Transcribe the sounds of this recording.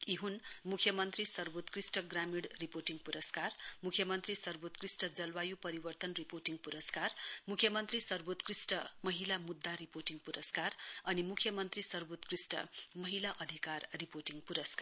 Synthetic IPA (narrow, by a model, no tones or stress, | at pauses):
iɦunmukʰjʌmʌnt̪risʌrbot̪krisʈʌɡramiɽriporʈiŋɡpuɾʌskarmukʰjʌmʌnt̪risʌrbot̪krisʈʌd͡zʌlwajupʌɾibʌrt̪ʌnriporʈiŋɡpuɾʌskarmukʰjʌmʌnt̪risʌrbot̪krisʈʌmʌɦilamud̪ʱːaɾiporʈiŋɡpuɾʌskarʌnimukʰjʌmʌnt̪risʌrbot̪krisʈʌ̰mʌɦilaʔʌd̪ʱikarːiporʈiŋɡpuɾʌskar